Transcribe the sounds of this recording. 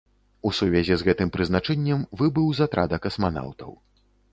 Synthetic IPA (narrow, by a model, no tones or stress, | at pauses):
usuvʲazʲɛzɣɛt̪ɨmpɾɨznat͡ʂɛnʲːɐmvɨbɨwzat̪ɾad̪ɐkɐsmana̰wt̪ɐ̰w